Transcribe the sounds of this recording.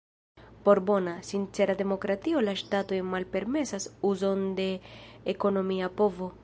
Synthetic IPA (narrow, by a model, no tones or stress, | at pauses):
po̞ɾbo̞nasint͡se̞ɾade̞mo̞kɾatio̞laʃtato̞jmalpe̞ɾme̞sasuzo̞nde̞ːko̞no̞miapo̞vo̞